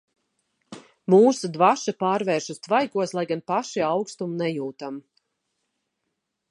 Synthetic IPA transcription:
muːsud̪vaʃapaːɾvɛːɾʃust̪vajkuɔslˠajɡanpaʃiawkst̪umnɛjuːt̪am

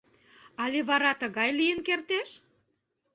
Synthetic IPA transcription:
ɑleβɑɾɑt̪əɣɑjlijənkert̪eʃ

